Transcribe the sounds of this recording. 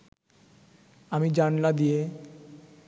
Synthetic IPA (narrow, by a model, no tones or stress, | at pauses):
amid͡ʑannad̪ije